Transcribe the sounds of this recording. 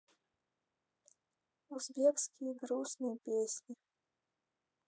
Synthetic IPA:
uzbʲiɛkskʲijɡɾuːsnɨjpʲeːsʲɲʲi

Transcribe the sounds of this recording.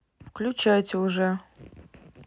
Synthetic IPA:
fkʰlʲut͡ʃʰajtʰʲuʐɛ

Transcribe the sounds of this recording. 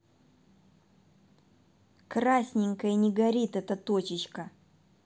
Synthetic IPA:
krasʲnʲɪŋʲkəjnʲɪɡɐɾʲit̪ɛt̪ət̪ot͡ɕɪt͡ɕkə

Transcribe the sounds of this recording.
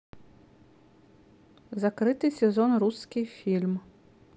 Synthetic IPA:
zakɾɨt̪ɨsʲɛzɔnɾuskʲijfʲilʲm

